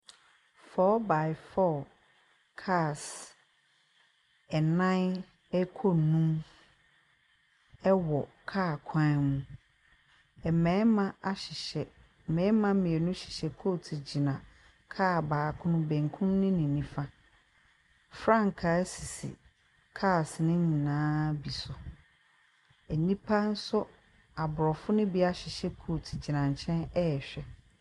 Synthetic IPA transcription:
fɔː˦ba˨ɪ˨fɔː˦˨ | kʰa˦˨s | ɛ˨nã˦n | ɛ˦kʰo˦˨nũ˦m | ɛ˦wɔ˨kʰaː˦˨kʷʰã˦mũ˨ | ɛ˨mɛ̃˨˦mã˦a˦ɕɪ˨ɕɛ˨ | mɛ̃ː˨˦mã˦mĩ˨ɛ˨nũ˦ɕɪ̥˨ɕɛ˨kʰo˦˨tʰi˨d͡ʑi˨nã˨ | kʰaː˦˨baː˨kʰʊ̃˦nʊ̃˦bɛ̃˨ŋkʰʊ̃˦n˦nɪ̃˦nɪ̃˨nĩ˦fã˦ | fɾã˦ŋ˨kʰa˨˦si˨sḭ˨ | kʰa˦˨snɪ̃˦ɲĩ˨nãː˦bi˨sʊ˨ | ɛ˨nĩ˦pʰa˦n̩˦sʊ˦ | a˨bʊ˨ɾɔ˨fʊ˦nɪ̃˦bi˦a˦ɕɪ˨ɕɛ˦kʰo˦˨tʰi˨d͡ʑi˨nã˨ɲ̩˨t͡ɕʰɛ̃˦nɛ˦˨ɕᶣɛ˦

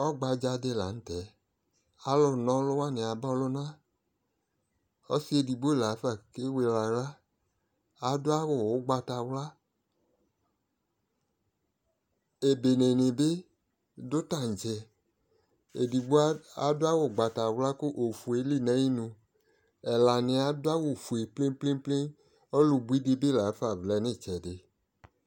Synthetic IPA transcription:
ɔ˦ɡ͡ba˧d͡ʒa˧de˦la̰˨n̩˦tɛ˨˦ | a˨˦lɔ˧nɔ̃˦lʊ˦wa˦ne˨a˨bɔ˦lʊ˦nã˦ | ɔ˦si˦e˨di˨ɡ͡bo˦˨la˨˦fa˦˨ke˦we˧la˨la˦ | a˨dʊ˦a˦wʊ˨wʊ˨˦ɡ͡ba˧ta˨wla˦ | e˨be˨ne˨nẽ˨be˦ | dʊ˦ta˦˨n̩˨d͡ʒɛ˧ | e˨di˨ɡ͡bo˦a˨dʊ˦a˦wo˨ɡ͡ba˨ta˨wla˦kʊ˦ʔo˨fu˨e˨˦li˦˨nɛ̃˨˦ji˦nũ˧ | ɛ˨la˨nɪ̃˨a˨dʊ˦a˦wo˨fu˨e˨ple˦ple˦ple˦ | ɔ˦lu˧bu˦i˦de˧be˦la˨˦fa˨vlɛ˦nẽ˦˨t͡ʃɛ˨de˨˦

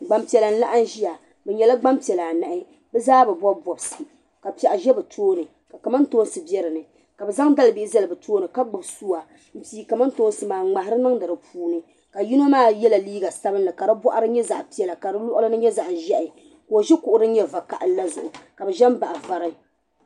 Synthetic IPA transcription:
ɡ͡ba˨mpi˨ɛ˨la˨n̩˦la˦ʔa˦n˦ʒi˦ja˨ | bɛ˨ɲɛ˨la˦ɡ͡ba˦mpi˨ɛ˨la˨na˨ʔɪ˦ | bɛ˦zaː˦bɛ˨ba˦bɔ˨bsɨ˨ | ka˨pɛ˨ʔa˨ʒɛ˦bɨ˨tʰoː˦nɨ˨ | ka˨ka˨ma˦ntoː˦n˦sɨ˨bɛ˦ɾɨ˨nɨ˨ | ka˨bɛ˨za˦ŋda˦lɨ˨bi˦za˦lɨ˨bɨ˨tʰoː˦nɨ˨ka˦ɡ͡bʊ˨bsuː˦a˨ | m̩˨piː˦ka˨ma˦n˦toː˦n˦sɨ˨maː˨ŋ͡ma˨ha˦ɾɨ˦nɨ˦ŋdɨ˨ɾɨ˨pʰuː˦nɨ˨ | ka˨ji˦no˦maː˦˨jɛ˦la˨liː˦ɡa˨sa˦bɨ˦nːɨ˨ka˨ɾɨ˦bɔ˦ʔa˦ɾɨ˦ɲɛ˦za̰˨ʔpi˦ɛ˨la˨ka˨ɾɨ˦lɔ˦ʔʊ˦lɨ˦nɨ˦ɲɛ˦za˨ʔʒɛ˦ʔɪ˨ | ko˨ʒɛ˦kʊ˨ʔʊ˨ɾɨ˦ɲɛ˦va˨ka̰˨ʔla˦zʊ˨ʔʊ˨ka˨bɛ˨ʒɛ˦mba˨ʔa˨va˨ɾɨ˦

